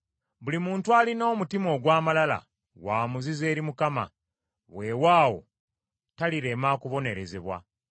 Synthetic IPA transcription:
βulimuːntualino̞ːmutimo̞ːɡwaːmalala̰ | waːmuzize̞ːɾimukama̰ | we̞waːwo̞̰ | taliɾe̞maːkuβo̞ne̞ɾe̞ze̞βwa̰

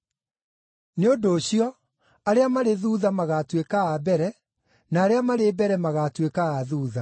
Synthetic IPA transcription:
neodoːɕiɔ | aɾeamaɾeðuːðamaɣatwekaabɛɾɛ | naːɾeamaɾebɛɾɛmaɣatwekaaðuːða

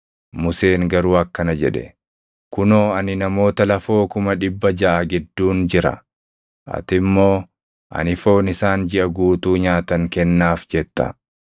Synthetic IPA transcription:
mʊse̞ːŋɡɐɾuːɐkːɐnɐd͡ʒɛᶑɛ̰ | kʊnoːɐnɪnɐmo̞ːt̪ɐlɐfo̞ːkʊmɐᶑɪbːɐd͡ʒɐʔaɡɪd̪ːuːnd͡ʒɪɾɐ̰ | ʔɐ̰t̪ɪmːo̞ː | ʔɐ̰nɪfo̞ːnɪsaːnd͡ʒɪʔɐɡuːt̪uːɲaːt̪ɐŋkɛnːaːfd͡ʒɛt̪ːɐ̰

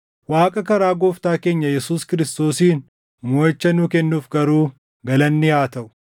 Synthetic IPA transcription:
waːkʼɐkɐɾaːɡoːft̪aːke̞ːɲːɐjɛsuːskɪɾɪst̪o̞ːsiːn | moːɪt͡ʃːɐnʊkɛnːuːfɡɐɾuː | ɡɐlɐnːɪhaːt̪ɐʔʊ̥

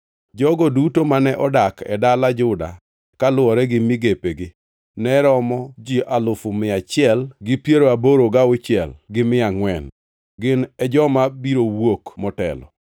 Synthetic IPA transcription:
d͡ʒɔɡɔdutomanɛʔɔdakɛ̰dalad͡ʒʊda̰ | kalʊɔɾɛɡɪmɪɡepeɡɪ | nɛɾɔmɔd͡ʒiʔalʊfʊmɪat͡ʃɪɛlɡɪpjeɾoaboɾoɡaʊt͡ʃjɛ̰lɡɪmɪaŋwɛn | ɡɪnɛd͡ʒɔmabiɾowokmɔtɛ̰lɔ̰

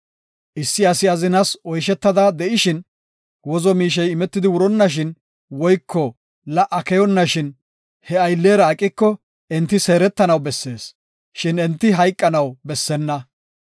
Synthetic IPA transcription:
ʔɪsːɪɐsɪɐzɪnɐsɔjʃɛt̪ːɐd̪ad̪ɛʔɪʃɪn | wɔzɔmiːʃ̬ɛjɪmɛt̪ːɪd̪ɪwʊɾɔnːɐʃ̬ɪn | wɔjkʰːɔ | lɐʔɐkɛjɔnːɐʃɪn | hɛɐjlːe̞ːɾɐːkʼːɪkːɔ | ɛnt̪ːɪse̞ːɾɛt̪ːɐnɐwbɛsːe̞ːs | ʃɪnɛnt̪ːɪɦɐjkʼːɐnɐwbɛsːɛnːɐ

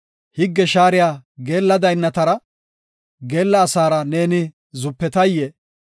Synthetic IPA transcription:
hɪɡːɛʃaːɾɪjaːɡe̞ːlːɐd̪ɐjnːɐt̪ɐɾɐ | ɡe̞ːlːɐːsaːɾɐne̞ːnɪ | zʊpːɛt̪ɐjːe

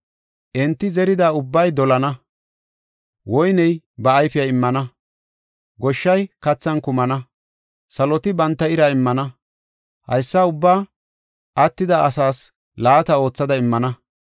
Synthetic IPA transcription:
ʔɛnt̪ːɪzɛɾɪd̪aːʊbːɐjd̪ɔlɐnɐ | wɔjnɛj | bɐːjfɪjɐɪmːɐnɐ | ɡɔʃːɐjkɐt͡sːɐnkʊmɐnɐ | sɐlɔt̪ɪbɐnt̪ːɐɪɾɐɪmːɐnɐ | hɐ̰jsːɐʊbːaː | ʔɐt̪ːɪd̪ɐʔːsaːs | laːt̪ɐo̞ːt͡sːɐd̪ɐɪmːɐnɐ

